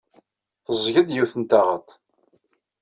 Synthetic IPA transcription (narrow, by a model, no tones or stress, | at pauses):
θəzˤʝəd̪jiwθənt̪aʁət̪ˤ